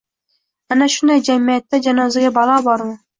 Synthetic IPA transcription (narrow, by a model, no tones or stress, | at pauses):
anaʃʊnd̪ajd͡ʒamijat̪ːad͡ʒanɒzaɡʲabɑlˠɑːbɒɾmɪ